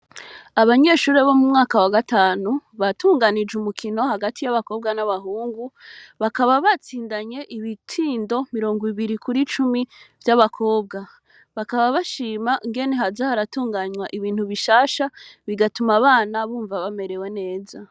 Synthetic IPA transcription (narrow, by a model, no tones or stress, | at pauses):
aβaɲe̞ʃuːɾe̞βo̞mumŋaːkawaɡataːnuβatuːŋɡanid͡ʒumukʰino̞haɡatijaβako̞ːb̚ɡanaβaɦuːŋɡuβakaβaβat͡siːndaɲe̞ʔiβitʰiːndo̞miɾo̞ːŋɡiβiɾikʰuɾit͡ʃumivjaβakʰo̞ːb̚ɡa | βakaβaβaʃiːmaʔiŋɡe̞ne̞ɦazahaɾatuːŋɡaɲwaʔiβiːn̥huβiʃaːʃaβiɡatumaβaːnaβuːɱvaβame̞ɾe̞we̞ne̞ːza